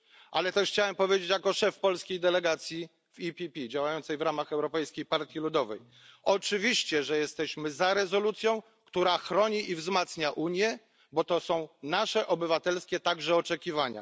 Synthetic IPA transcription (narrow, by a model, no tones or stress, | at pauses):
ʔa̰lɛt̪ɛʂxt͡ɕawɛmpɔvʲjed͡ʑet͡ɕjakɔʂɛfpɔlskʲejd̪ɛlɛɡat̪sʲji | vipʲipʲid͡ʑawajɔnt̪sɛjvɾamaxɛwɾɔpɛjskʲejpaɾt̪ʲjilud̪ɔvɛ̰j | ɔt͡ʂɘvʲiɕt͡ɕɛʐɛjɛst̪ɛɕmɘzaɾɛzɔlut̪sʲjɔ̃w̃ | kt̪uɾaxɾɔɲiʔivzmat̪sɲaʔuɲjɛ | bɔt̪ɔsɔ̃w̃naʂɛʔɔbɘvat̪ɛlskʲɛt̪aɡʐɛɔt͡ʂɛkʲivaɲa̰